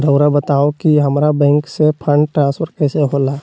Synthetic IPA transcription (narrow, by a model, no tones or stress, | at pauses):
ɾəʊɾabət̪aːokiɦɐmɾabɛ̃ːŋksepʰə̃ɳɖʈɾãːnspʰəɾkɛːseɦoːlaː